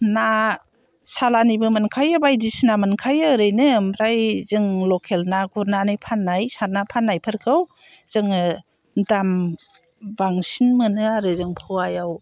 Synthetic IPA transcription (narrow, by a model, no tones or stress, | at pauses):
na | salanibɯmɯnkʰajɯbajdisnamɯnkʰajɯɾɯjnɯmɾajzɯŋlɔkʰelnaɡuɾnanɯjpʰanːajsaɾnapʰanːajpʰɯɾkʰɯw | z̥ɯŋ | dam | baŋsinmɯnɯaɾɯzɯŋpʰɯwajaw